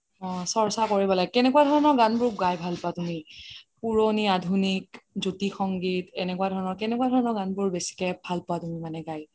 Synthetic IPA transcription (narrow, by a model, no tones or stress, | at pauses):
ɔ̃sɔɹsakoɹibɔlaɡkɛnɛkuadʱɔɹɔnɔɹɡanbʊɹɡajbʱalpatumipuɹoniadʱunikzotixɔŋɡitɛnɛkuwadʱɔɹɔnɔɹkɛnɛkwadʱɔɹɔnɔɹɡãnbʊɹbesi̥kɛbʱalpɔwatumimanɛɡaj